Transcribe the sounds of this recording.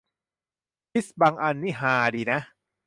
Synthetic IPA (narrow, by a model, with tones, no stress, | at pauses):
pʰi˦˥sbaː˧ŋʔa˧nːiː˥˩ɦaː˨˩diː˧˩na˦˥